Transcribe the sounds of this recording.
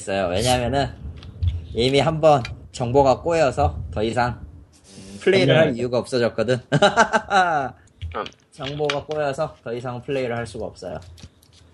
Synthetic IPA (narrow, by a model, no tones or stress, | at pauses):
s͈ʌjowe̞ɲaɦmjʌnɯn | imiɦambʌnt͡ɕʌŋboɡak͈ojʌsʰʌtʌisʰaŋ | pʰɯɭːeiɾɯɭɦaɾijuɡaʌp̚s͈ʌd͡ʑʌk̚k͈ʌdɯn | t͡ɕʌŋboɡak͈ojʌsʰʌtʌisʰaŋpʰɯɭːe̞iɾɯɭɦaɭs͈uɡaʌp̚s͈ʌ̰jo̰